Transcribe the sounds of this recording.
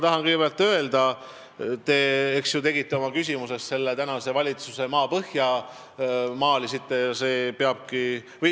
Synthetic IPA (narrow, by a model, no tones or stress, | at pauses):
t̪ɑɦɑnkɯjɡe̥eɑlt̪ːˑø̞e̞ld̪ɑ | t̪e̞eksjut̪e̞ɡit̪ːeo̞mɑkys̬ʲimusest̪se̞lːet̪ænɑse̞vɑlʲit̪suse̞mɑːpɤhjɑ | mɑːlisit̪ːejɑse̞ːpeɑb̥ki | vɤj